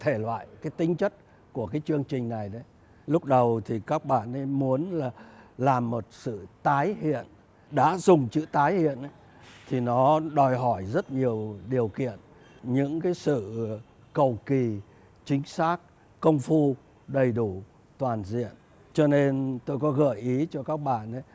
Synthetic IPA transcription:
t̪ʰe˧˩lwa̰ː˧˨jkaː˨˦jt̪ï˨˦ŋ̟t͡ɕə˦˥t̚ | ku˧˩əkaː˨˦jt͡ɕɨ˧əŋt͡ɕï˨˩ŋ̟na˨˩jɗə˨˦j | lʊ˦˥k͡p̚ɗə˨˩wt̪ʰi˨˩kaː˦˥k̚ɓa̰ː˧˨nʔə˨˦jmu˨˦ənlaː˨˩laː˨˩mːo˨˩t̚sɨ̰˧˨t̪aː˨˦jhḭ˧˨ən | ɗa̰ː˧˥zʊ˨˩ŋ͡mt͡ɕɨ̰˧˥t̪aː˨˦jhḭ˧˨ənʔə˨˦j | t̪ʰi˨˩nɔ˨˦ɗɔ˨˩jɦɔ˧˩jzə˦˥t̚ɲi˨˩əwɗi˨˩əwkḭ˧˨ən | ɲɨ̰˧˥ŋkaː˨˦jsɨ̰˧˨ | kə˨˩wki˨˩ | t͡ɕï˨˦ŋ̟saː˦˥k̚ | kə˧wŋ͡mfu˧ | ɗə˨˩jɗu˧˩ | t̪waː˨˩nzḭ˧˨ən | t͡ɕɔ˧ne˧nt̪o˧jkɔ˨˦ɣə̰ː˧˩jʔi˨˦t͡ɕɔ˧kaː˦˥k̚ɓa̰ː˧˨nʔə˨˦j

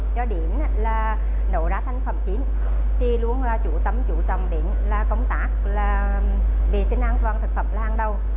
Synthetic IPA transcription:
t͡ɕɔ˧ɗi˧˩˨ən˧laː˨˩ | no̰˧˨ɗaː˨˦t̪ʰa˧jŋ̟fə˨˩mt͡ɕi˨˦n | t̪i˧lu˧ənlaː˨˩t͡ɕṵ˧˩t̪ə˧˩mt͡ɕṵ˧˩t͡ɕə̰˨˩wŋ͡mɗḭ˧˨ənlaː˨˩kə˧wŋ͡mt̪aː˨˦˥k | laː˨˩ | vi˨˩sï˧ŋ̟ʔaː˧nt̪waː˨˩nt̪ʰɨ˨˩k̚fə˨˩m̚laː˧˩ʔaː˧nɗə˧˩w

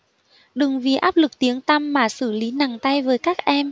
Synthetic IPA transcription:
ɗɨ˨˩ŋvi˨˩ʔaː˦˥p̚lɨ˨˩k̚t̪i˨˦əŋt̪a˧mːaː˨˩sɨ˧˩li˨˦na˨˩ŋt̪a˧jvəː˨˦jkaː˦˥k̚ʔɛ˧m

